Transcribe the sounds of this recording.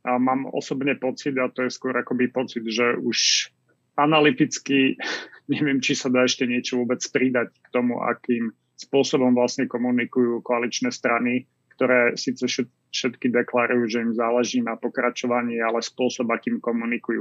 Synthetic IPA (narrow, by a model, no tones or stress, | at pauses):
maːmɔ̰sɔbɲɛpɔt͡sid̪at̪ɔjɛskʊɔɾakɔbipɔt͡sid̪ʒɛuʃ | analit̪it͡skiɲɛʋɪɛmt͡ʃisad̪aːɛʃcɛɲɪɛt͡ʃɔʋʊɔbɛt͡spɾid̪ackt̪ɔmṵʔa̰kiːm | spʊɔsɔbɔmʋlasɲɛkɔmunikujuːkɔalit͡ʃnɛːst̪ɾani | kt̪ɔɾɛːsiːt͡sɛʃɛ | ʃɛt̪kid̪ɛklaɾujuːʒɛimzaːlɛʒiːnapɔkɾat͡ʃɔʋaɲɪiːalɛspʊɔsɔbakiːmkɔmunikujṵː